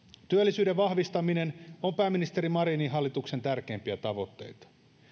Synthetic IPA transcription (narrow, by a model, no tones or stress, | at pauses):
t̪yælːisyːdeʋʋɑhʋist̪ɑminenompæːmːinist̪eɾimɑɾiːniɦɑlːit̪ukse̞nt̪ærkeːmpiæt̪ɑʋo̞t̪ːe̞̰jt̪ɑ̥